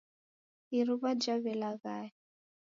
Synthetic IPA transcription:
iɾuβad͡ʒaβɛlaɣaɛ

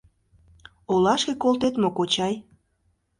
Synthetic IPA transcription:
olɑʃkekolˠt̪et̪mokot͡ɕɑj

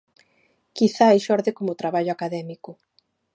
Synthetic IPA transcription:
kiθaejʃɔɾðekomʊt̪ɾaβaʎʊakaðɛmikʊ

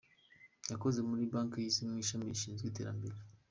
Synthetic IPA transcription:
jako̞ze̞muɾibaːŋkjisinmiːʃamijiʃiːnzɡwiːte̞̰ːɾa̰mbe̞ɾe

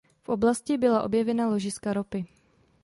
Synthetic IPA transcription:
fʔo̞blascɪbɪlaʔo̞̰bjɛvɛnalo̞ʒɪskaɾopɪ

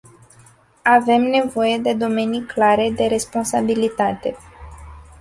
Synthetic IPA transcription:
ave̞mne̞vo̞je̞d̪e̞d̪o̞me̞niklaɾe̞d̪e̞ɾe̞spo̞nsabilit̪at̪e̞

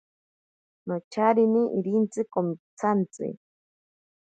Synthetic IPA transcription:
not͡ʃʰaɾiniʔiɾint͡sɨkomit͡sʰant͡sɨ̰

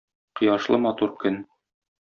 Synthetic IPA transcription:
qɤ̆jɑʃlˠɤmɒt̪uɾkɵn

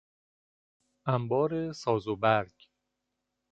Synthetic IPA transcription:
æmbɒːɾesɒːzobæɾɟ

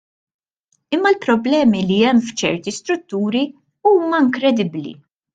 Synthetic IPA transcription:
ɪmːɐlpɾɔblɛːmiliɛmːft͡ʃɛɾt̪ist̪ɾʊt̪ːuːɾi | uːmɐɪŋkɾɛd̪ɪblḭ

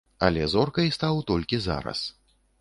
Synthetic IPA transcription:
ɐ̰lʲɛzɔrkɐjst̪awt̪ɔlʲkʲiza̰ɾɐ̰s

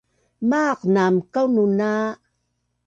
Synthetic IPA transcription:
maqnamkawnuna

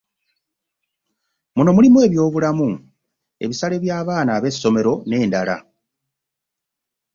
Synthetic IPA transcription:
muno̞mulimuwe̞ːβjo̞ːβulamu | e̞̰βisale̞βjaːβaːnaːβe̞sːo̞me̞ɾo̞ne̞ːndala̰

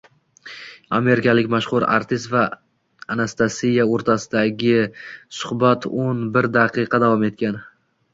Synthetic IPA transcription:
ame̞ɾɪkʲalɪkʲmaʃhʊɾa̰ɾt̪ʰɪs̬t̪vaː | nast̪asijaoɾt̪ʰasɪd̪aɡʲɪsʊ̥hbat̪ʰonbɪɾd̪aqʰɨqʰɑd̪avɒme̞t̪̚kʲan

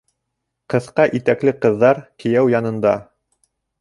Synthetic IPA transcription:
qɤ̆θqɑʔit̪æklɘqɤ̆ðːɑɾkɘ̆jæwjɑnɤ̆nd̪ɑ

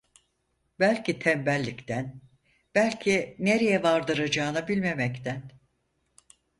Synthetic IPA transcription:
bælʲcʰit̪ʰɛmbælʲːict̪ʰæn | b̥ælʲcʰine̞ɾejɛvaɾd̪ɯɾad͡ʒaːnabilʲme̞mɛct̪ʰæn

